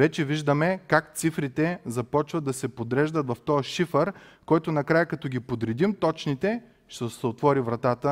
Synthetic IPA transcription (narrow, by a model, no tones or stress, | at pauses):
vɛt͡ʃɛviʒd̪əmɛkak̚t̪sifɾit̪ɛzɐpɔt͡ʃvəd̪ːɐsɛpod̪ɾɛʒd̪ət̪vɐft̪ɔjəʃifəɾ | kɔjt̪onɐkɾajəkɐt̪ɔɡʲipod̪ɾɛd̪imt̪ɔt͡ʃnit̪ɛ | ʃt̪ɛsɛot̪vɔɾivɾɐt̪at̪ə